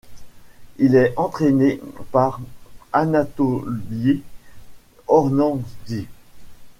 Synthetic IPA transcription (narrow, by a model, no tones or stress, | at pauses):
ilɛɑ̃t̪χenepaʁanat̪ɔlje | ɔʁnɑ̃d̪i